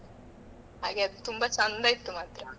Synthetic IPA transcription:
ɦa̰ːɡeɐd̪ut̪umbat͡ʃɐnd̪ait̪ːumaːt̪ɾɐ

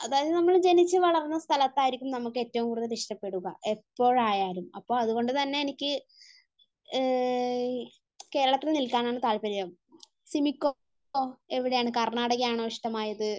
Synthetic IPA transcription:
ɐðaːjɐðɨnɐmːɐɭd͡ʑe̞nit͡ɕːɨʋɐɭɐrnːɐst̪ʰɐlɐt̪ːaːjiɾikʲːumnɐmukːɨe̞tːɐʋumkuːɽit̪ːɐniʂʈɐpːe̞ɽuɣɐ̰ʔe̞pːo̞ːɻaːjaːɾumɐpːo̞ːɭɐðuɣo̞ɳɖɨt̪ɐnːe̞enikʲːɨ | ke̞ːɾɐɭɐt̪ːilnilkaːnaːɳɨt̪aːɭpɐɾijɐ | simikʲːo | e̞ʋiɽe̞jaːɳɨkɐrɳaːɽɐɣɐjaːɳoʋiʂʈɐmaːjɐðɨ

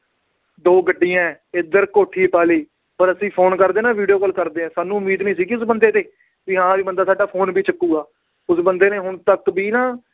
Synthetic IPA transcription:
d̪oːɡəɖːiːjãɛːɪd̪əɾkoːʈʰːiːpaːliː | pəɾəsĩːpʰoːnkəɾd̪eːnaːʋiːɖijoːkəlkəɾd̪eːãːsaːnũːmiːd̪nĩːs̬iːkɪʊs̬bənd̪eːd̪eː | ʋiːɦãːʋiːbənd̪aːsaːɖaːpʰoːnbiːt͡ʃəkːuːɡaː | ʊsbənd̪eːneːɦʊɳt̪əkbiːnãː

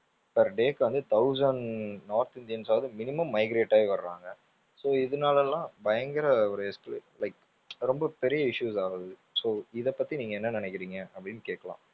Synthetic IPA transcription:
pɐɾɖeːkːʋɐnd̪ɯt̪ɐʊsɐɳnaːɾt̪ɪnd̪ɪjɐnsaːʋðɯmɪnɪmɐmːɐɪɡɾeːʈːaːeʋɐɾɾãːŋɡɐ | soːɪðɯnaːlɛlːãːbɐjɐŋɡɪɾɐɔɾɯɛskllɐɪk | ɾɔmbɐpɛɾɪjɐɪʂuːsaːɣɐðɯsoːɪðɛpːɐt̪ːiniːŋɡɐɛnːɐnɪnɛkːɪɾiːŋɡɐʔɐpːɐɽɪnːkeːʈkːɐlã̰ː

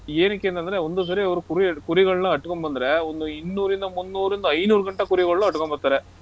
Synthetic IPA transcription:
eːnikːeːnt̪ɐnd̪ɐɾeond̪us̬ɐɾiɐʋɐɾukuɾikuɾiɣɐɭɐnɐɐʈːukombɐnd̪ɐɾeond̪uinːuːɾind̪ɐmunːuːɾind̪ɐɐjnuːɾuɡɐɳʈːɐkuɾiɣɐɭɐnɐɐʈːukombɐɾt̪aːɾe

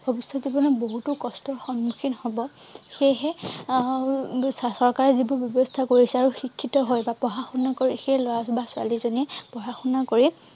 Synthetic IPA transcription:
bʱɔbisːɔtzibɔnɔboɦutʊkɔstɔxɔnmukʰinhɔbɔ | xejɦɛ | ssɔɹkaɹɛzibʊbjɔbɔstʰakoɹisɛaɹuxikʰːitɔɦɔjbapɔɦaxunːakoɹixejlɔjabasʊa̰lizoniɛpɹɔɦaxunːakoɹi

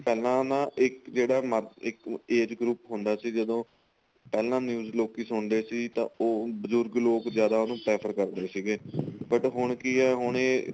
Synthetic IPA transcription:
pɛːlãːnãːʔɪkd͡ʒeːɽaːməɾɪkeːd͡ʒɡɾuːpɦʊ̃nd̪aːsiːd͡ʒəd̪õː | pɛːlãːnjuːzloːkiːsʊɳd̪eːsiːt̪ã̰ːoːbəzʊɾɡloːkzjaːd̪aːonõːpɾɛːpʰəɾkəɾd̪eːsiːɡeːbəʈɦʊɳkiɛːɦʊɳeː

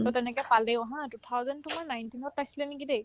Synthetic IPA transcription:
tɔtɛnɛkɛjpalɛɦãtutʰawzɛntumanajntinɔt̚pajsilɛnikide

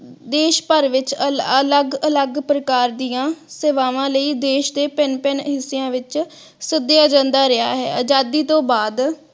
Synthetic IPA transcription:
d̪eːʃpəɾʋɪt͡ʃələɡələɡpɾəkaːɾd̪ijãːseːʋaːʋãːləiːd̪eːʃd̪eːpɪnpɛnɦɪsejãːʋɪt͡ʃ | sɪd̪ejaːd͡ʒə̃nd̪aːɾɪa̰ːɦɛ̰ːəd͡ʒaːd̪iːt̪õːbaːd̪

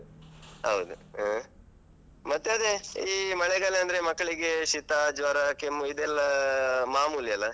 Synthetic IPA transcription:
ɦɐwd̪u | mɐt̪ːeɐd̪e̞iːmɐɭɛɡaːleɐnd̪ɐɾemɐkːɐɭiɡe̞ʂit̪aːd͡ʒʋɐɾakemːuid̪ɛlːɐmaːmuːljɐlːɐ

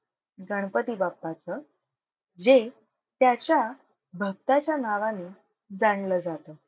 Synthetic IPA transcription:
ɡəɳ̃pət̪iːbapːat͡sə | d͡ʑe | t̪jat͡ɕja | bʱəɡ̚t̪at͡ɕjanaʋaniː | d͡zaɳ̃ləd͡zat̪ə

